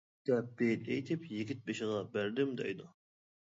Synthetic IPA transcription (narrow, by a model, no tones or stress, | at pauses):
d̪̥ɛp̚b̥elejt̪ʰɪpjɪɡʲit̪̚beʃɪʁɑbæɾd̪ɪmd̪ɛ̰jd̪ʊ